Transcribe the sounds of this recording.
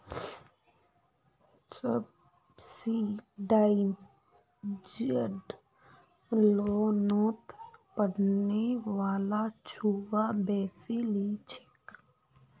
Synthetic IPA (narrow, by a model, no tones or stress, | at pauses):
səb | siɖaːɪm | d͡ʒiəɖ | loːnoːt̪pəɽneʋaːlat͡ʃʰuːʋabɛːsilit͡ʃʰɪ̥k